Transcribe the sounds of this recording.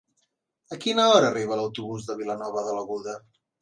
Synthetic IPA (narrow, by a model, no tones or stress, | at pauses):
əkinəɔɾəːriβ̞ələwt̪uβuzðəβilənɔβəðələɣuðə